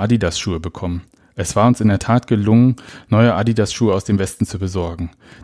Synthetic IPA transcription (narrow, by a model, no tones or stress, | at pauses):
adidasʃuːəbəkʰɔmən | ʔɛsv̥aːɐʊnsɪndeːɐtʰaːtɡ̥əlʊŋənnɔʏəʔadidasʃuːəaʊsd̥eːmvɛstn̩t͡subəzɔɐɡŋ̩